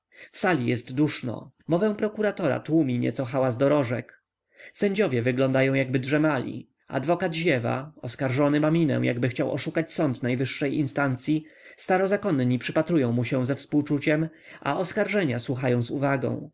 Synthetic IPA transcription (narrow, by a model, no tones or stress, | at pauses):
fsalʲijɛst̪d̪uʂnɔ̰ | mɔvɛ̃w̃pɾɔkuɾat̪ɔɾa̰t̪wumʲiɲɛ̰t̪sɔxawazd̪ɔɾɔʐɛk | sɛɲd͡ʑɔvʲjɛvɘɡlɔnd̪ajɔ̃w̃jaɡ̚bɘdʐɛmalʲḭ | a̰d̪vɔkad̪ʑɛva̰ɔskaɾʐɔnɘmamʲinɛ̰w̃jʔa̰ɡbɘxt͡ɕawʔɔ̰ʂukat͡ɕsɔnt̪najvɘʂːɛjʔinst̪ant̪sʲjist̪aɾɔzakɔnɲipʂɘpat̪ɾujɔ̃w̃muɕɛw̃zɛfspuwt͡ʂut͡ɕɛm | a̰ʔɔskaɾʐɛɲaswuxajɔ̃w̃zuvaɡɔ̰̃w̃